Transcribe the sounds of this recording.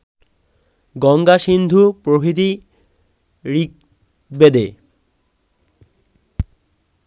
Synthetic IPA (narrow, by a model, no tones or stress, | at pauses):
ɡɔŋɡaʃind̪ʱupɾobʱit̪̬i | ɾik̚ | bed̪e